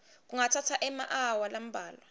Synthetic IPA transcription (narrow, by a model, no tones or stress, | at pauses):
k̬ʼuŋatʰatʰaʔɛmaʔawalam̩bʱaːlwa